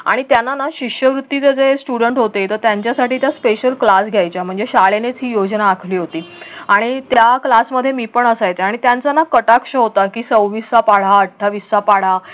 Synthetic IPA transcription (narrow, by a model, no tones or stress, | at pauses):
a̰ɽ̃it̪janːanaɕikʂjəʋɾut̪ːit͡sed͡zesʈuɽəɳʈɦot̪et̪əɾt̪jaɲt͡ɕjasaʈiːt̪jaspeɕəlklasɡʱjajt͡ɕjam̤əɳd͡zeɕaɭenet͡sɦiːjod͡znaːkʰliːɦot̪iːaɽ̃it̪jaklasməd̪ʱːjemiːpəɳəsajt̪eaɽ̃it̪jant͡sanakəʈakʂəɦot̪akiːsəwʋisapaɽ̤aəʈʰːaʋisapaɽ̤a